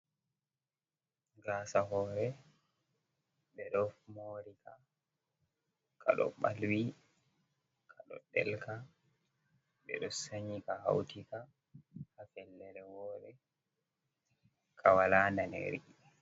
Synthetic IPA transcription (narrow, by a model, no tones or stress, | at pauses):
ɡaːsaɦɔːɾɛ | ɓɛɗɔmoːɾika | kʰa̰ɗɔ̰ɓa̰lwi | kʰaɗɔ̰ɗɛ̰lka | ɓɛ̰ɗɔsaɲikaha̰wtika | hafɛlːɛɾɛwɔːɗɛ | kʰawalandanḛɾḭ